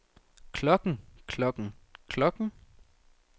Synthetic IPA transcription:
kʰlɔkŋ̩kʰlɔkŋ̩kʰlɔkŋ̩

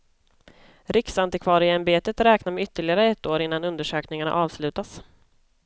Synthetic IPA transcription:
ɾɪksant̪ɪkʰvɑːɾɪɛmbeːt̪ət̪ɾɛːknamɛʏt̪ːəɭɪɡaɾəɛt̪ːoːɾɪnːanɵnd̪əʂøːknɪŋaɳa̰ʔɑːvslʉ̟ːt̪as

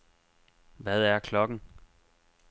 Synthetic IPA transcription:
ʋæð̞ˠæɐkʰlɒ̽ɡ̥ŋ̩

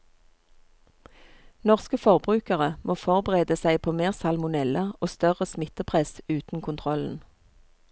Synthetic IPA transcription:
nɔʁskəfɔʁbʁʉːkəʁəmʔoːfɔʁbəʁeːd̪əsæɪpʰoːmeːʁsɑlmʊnɛləoːst̪œʁəsmɪt̪əpʰʁɛsʉːt̪n̩kʰʊnt̪ʰʁɔln̩

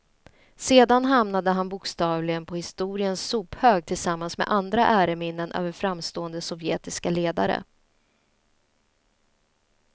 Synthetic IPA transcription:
seːd̪anɦamnad̪əɦanbʊkst̪ɑːvlɪɡənpʰɔhɪst̪uːɾɪənsuːphøːɡ̚t̪ʰɪlsamːansmɛ̰ʔand̪ɾaʔæːɾəmɪnːənʔø̰ːvəɾfɾamst̪oːənd̪əsɔvjeːt̪ɪskaleːd̪a̰ɾə̰

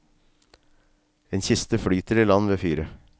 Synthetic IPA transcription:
eːnçɪst̪əfɽyːt̪əɾiːlɑnʋeːfyːɾə

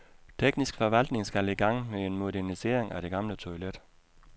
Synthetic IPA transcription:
t͡sʰeɡ̥nisɡ̥fɒʋæl̰d̥ne̝ŋsɡ̥æleɡ̥ɑ̈ŋ̰mee̝nmo̝ɾæɐnise̝̰ːɐ̰eŋæɾ̥e̝ɡ̥ɑ̈mlət͡sʰo̝ɪled̥

